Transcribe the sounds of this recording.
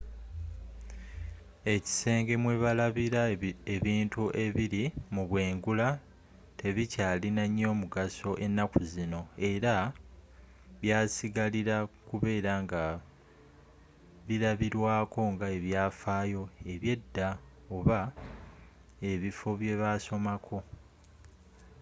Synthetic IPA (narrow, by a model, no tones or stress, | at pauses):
e̞ci̥se̞ːŋɡe̞mwe̞ːβalaβiɾaeβiːntuʔe̞βiɾimuβwe̞ːŋɡula | tʰe̞βicaːlinaɲːo̞ːmuɡaso̞ʔe̞nːakuzino̞e̞ɾa | βjaːsiɡaliɾakuβe̞ːɾaŋɡa | βiɾaβiɾwaːko̞ŋɡae̞βjaːfaːjo̞e̞βje̞dːa | oβa | e̞βifo̞βje̞βaso̞makʰo̞